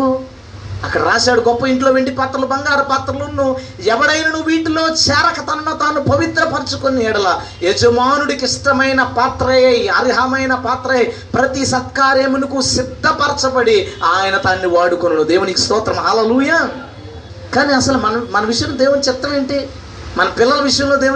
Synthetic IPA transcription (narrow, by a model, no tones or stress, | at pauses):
ɐkːɐɽɐɾaːʃaːɽuɡɔpːɐiɳʈlo̞ːʋeːɳʈipaːt̪ɾɐlɐbɐŋɡaːɾɐpaːt̪ɾɐlɐnːu | ɛʋɐɽɐjnɐnuʋiːʈulo̞ːt͡ʃɛːɾɐkɐt̪ɐnɐnɐt̪aːnːupɐʋit̪ɾɐpɐɾt͡ʃukonɛːɽɐla | ed͡ʒɐmaːnuɽikiʂʈɐmɐjnɐpaːt̪ɾɐjɐjɐɾiɦɐmɐjnɐpaːt̪ɾɐɐpɾɐt̪isɐt̪̚kaːɾemenukusid̪ʱːɐpɐɾɐt͡ʃɐpɐɽiaːjɐnɐt̪aːnːiʋaːɽukonɐnud̪e̞ːʋunikist̪ɔːt̪ɾɐmɦɐːleːlujaː | kaːniɐsɐlumɐnɐmɐnɐʋiʂɐjɐmlod̪eːʋunit͡ʃɛt̪ːɐʋeːɳʈi | mɐnɐpɪlːɐlɐʋiʂɐjɐmlo̞ːd̪eːw